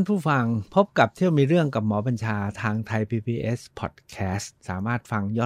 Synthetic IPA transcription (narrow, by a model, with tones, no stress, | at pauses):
npʰuː˥˩fa˧ŋpʰo˦˥p̚ka˨˩p̚t̪ʰi˥˩əwmiː˧ɾɯ˥˩əŋka˨˩p̚mɔː˩˦ba˧nt͡ɕʰaː˧t̪ʰaː˧ŋt̪ʰa˧jpʰiː˧pʰiː˧ʔe˦˥spʰɔ̰ː˨˩t̪̚kʰɛː˦˥st̪̚sa̰ː˩˦maː˥˩t̪̚fa˧ŋjɔː˥˩